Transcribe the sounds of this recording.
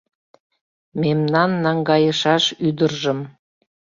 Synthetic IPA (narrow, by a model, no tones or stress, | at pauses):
memnɑnːɑŋɡɑjəʃɑʃyd̪ərʒəm